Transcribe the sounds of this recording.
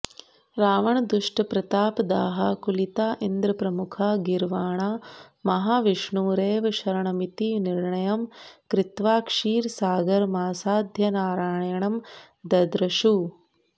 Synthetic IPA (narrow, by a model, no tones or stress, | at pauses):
ɾaːʋɐɳɐd̪uʂʈɐpɾɐt̪aːpd̪aːɦɐkulit̪aːʔind̪ɾɐpɾɐmukʰaːɡiɾʋaːɳaːmɐɦaːʋiʂɳuːɾeːʋɐʃɐɾɐɳɐmit̪iniɾɳɐjɐmkɾɪt̪ʋaːkʂiːɾsaːɡɐɾmaːsaːd̪ʱjɐnaːɾaːɳjɐɳɐm | d̪ɐd̪ɾɐʃu